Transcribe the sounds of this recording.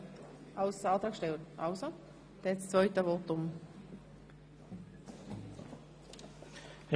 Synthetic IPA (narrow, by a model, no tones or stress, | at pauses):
ʔaʊsɑːt̪ʁɑːkʃtɛltaʊso | d̪̥ɛst͡svœʏtəvɔt̪ʊm